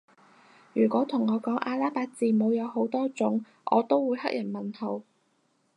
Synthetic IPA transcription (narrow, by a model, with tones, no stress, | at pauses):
jyː˨˩kʷɔː˨˥t̪ʰʊ˨˩ŋɔː˨˧kɔː˨˥ŋʔaː˧laː˥paː˧k̚t͡siː˨˧mo˨˧wjɐ˨˧who˨˥wt̪ɔː˥t͡sʊ˨˥ŋ | ʔɔ̰ː˨˧t̪o˥wwuː˨˧jhɐ̰˥k̚jʔɐ˨˩nmɐ˨nho˨˧w